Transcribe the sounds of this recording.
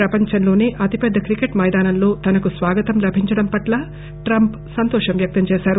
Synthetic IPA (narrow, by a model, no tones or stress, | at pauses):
ɾɐpɐɲt͡ʃɐnlo̞ːneːʔɐt̪ipɛd̪ːɐkɾikeʈmɐjd̪aːnɐnlo̞ːt̪ɐnɐkusʋaːɡɐt̪ɐmlɐbʱiɲt͡ʃɐɽɐmpɐʈlɐ | ʈɾɐmp | sɐnt̪ɔːʂɐmʋjɐk̚t̪ɐmt͡ʃeːʃaːɾu